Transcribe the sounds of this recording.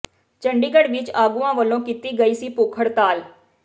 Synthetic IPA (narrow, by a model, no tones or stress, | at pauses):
t͡ʃəɳɖiːɡəɽʋɪt͡ʃaːɡuːãːʋəlːõːkit̪iːɡəiːsiːpoːkʰəɽt̪aːl